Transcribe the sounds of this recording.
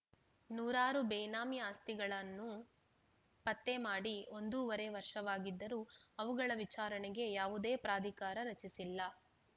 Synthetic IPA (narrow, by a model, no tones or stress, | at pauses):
nuːɾaːɾubɛːjnaːmiaːst̪iɡɐɭɐnːu | pɐt̪ːe̞maːɽio̞nd̪uʋɐɾeʋɐɾʂɐʋaːɡid̪ːɐɾuɐʋuɡɐɭɐʋit͡ʃaːɾɐɳɛɡe̞jaːʋud̪e̞ːpɾaːd̪ʱikaːɾɐɾɐt͡ʃisilːɐ